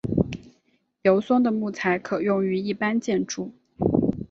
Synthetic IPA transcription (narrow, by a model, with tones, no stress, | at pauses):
ljo˧˥ʊsʊ˥ŋd̪ə˨mu˥˩t͡sʰa˧˥ɪkʰɤ˨˩jʊ˥˩ŋy˧˥i˥˩pa˥nt͡ɕjɛ˥˧nʈ͡ʂu˥˩